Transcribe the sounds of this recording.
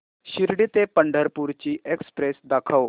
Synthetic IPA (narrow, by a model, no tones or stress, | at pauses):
ɕiɾɽit̪epəɳɖʱəɾpuɾt͡ɕiːʔekspɾesd̪akʰəw